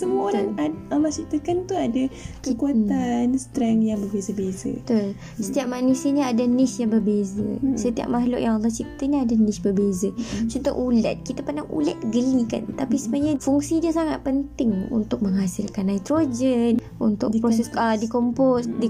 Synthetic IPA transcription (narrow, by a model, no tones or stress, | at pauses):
səmuaoɾaŋaalːɔht͡ʃit̪əkant̪uadakəkuat̪anst̪ɾɛŋjaŋbəbezəbezə̰t̪ol | sət̪iaʔ̚manusiəɲaadanɪsjaŋbərbezə̰sət̪ia̰ʔ̚maɦlʊʔjaŋalˠːɑht͡ʃit̪əɲəadanisbərbezət͡ʃunt̪o̰ʔula̰t̪̚kit̪apəndaŋṵla̰t̪̚ɡəlika̰nt̪apisəməaɲafuŋsidiəsaŋat̪̚pənt̪ɪŋṵnt̪ʊk̚məŋɦasɪlkanːajt̪ɾod͡ʒɛn | ṵnt̪ʊkpɾosɛsədikomposdi